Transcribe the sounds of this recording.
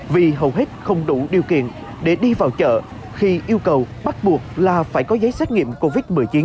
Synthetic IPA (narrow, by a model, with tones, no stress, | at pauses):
vi˨˩ɦə˨˩wɦe˦˥t̚xə˧wŋ͡mɗu˧˩ɗi˨˩əwkḭ˧˨ən | ɗe˧˩ɗi˧vaː˨˩wt͡ɕə̰ː˧˨ | xi˧ʔi˧əwkə˨˩wɓa˦˥t̚ɓu˨˩ək̚laː˨˩faː˧˩jkɔ˨˦zə˨˦jsɛ˦˥k̚ŋḭ˧˨əmko˧vi˦˥t̚mɨ˨˩əjt͡ɕi˨˦n